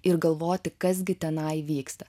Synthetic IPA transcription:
ɪɾɡɐlˠʋoːt̪ʲɪkɐs̬ɡʲɪt̪ʲɛnɐɪʋʲiːkst̪ɐ̥

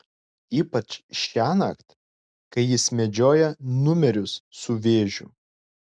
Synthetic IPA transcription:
iːpɐt͡ʃʃʲæːnɐ̰kt̪ | kɐɪjɪsmʲɛd͡ʒʲoːjɛnʊmʲɛɾʲʊsːʊʋʲeːʒʲʊ̰

